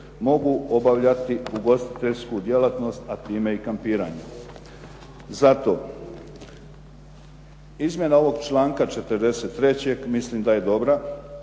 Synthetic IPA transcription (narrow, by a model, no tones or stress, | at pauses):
mo̞ɡuo̞baʋʎat̪iuɡo̞st̪i̥t̪e̞ʎskud̪je̞lat̪no̞st̪at̪iːme̞ikampiːɾaɲe | zat̪o̞ː | izmʲje̞nao̞ʋo̞ɡt͡ʃlˠaːŋkat͡ʃet̪əɾd̪e̞se̞t̪ːɾe̞t͡ɕe̞ɡmisliːmd̪aje̞d̪o̞bɾa